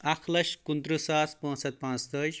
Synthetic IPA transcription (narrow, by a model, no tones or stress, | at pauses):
akʰlɐʃkund̪ɾusaːspõːsɐt̪̚pãːnt͡st̪əːd͡ʒ